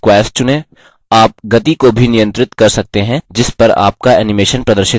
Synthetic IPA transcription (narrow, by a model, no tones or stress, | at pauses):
kwɛːsʈ̚t͡ʃʊneː | aːp̚ɡɐt̪ikobʱinɪjə̃nt̪ɾɪt̪kɐɾsɐk̚t̪eɦɛ̃d͡ʒɪspɐɾa̰ːp̚kaɛːnɪmeːʃənpɾɐd̪əɾʃɪ